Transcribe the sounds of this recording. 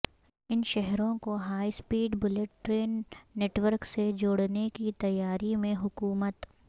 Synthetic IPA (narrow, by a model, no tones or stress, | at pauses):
ɪnʃɛɦɾõkoɦaːispiːɖbʊleʈʈɾeːnːeːʈʋəɾksed͡ʒoːɽnekit̪ɐjaːɾimẽɦʊkuːmət̪